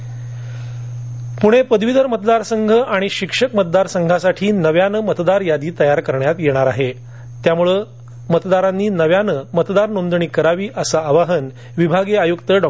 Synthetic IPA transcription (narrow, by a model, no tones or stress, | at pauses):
puɽ̃epəd̪ʋid̪əɾmət̪d̪aɾsəŋɡʱəʔaɽ̃iɕikʂəkmət̪̚d̪aɾsəŋɡʱasaʈʰiːnəʋjanəmət̪d̪aɾjad̪iːt̪əjaɾkəɾɳjat̪jeɽ̃aɾaɦe | t̪jamuɭə | mət̪d̪aɾanːiːnəʋjanəmət̪d̪aɾnond̪ɳiːkəɾaʋiːʔəsaːʋaɦən | ʋibʱaɡeajukt̪əɖɔ